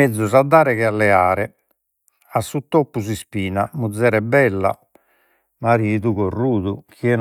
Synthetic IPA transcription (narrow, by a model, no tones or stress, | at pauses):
ed̪zːuzad̪ːaːɾɛɣɛalːɛaːɾɛ | asːut̪ːopːusispiːnamud̪zːɛːɾɛbɛlːa̰ | maɾiːðuɣorːuːðukiɛn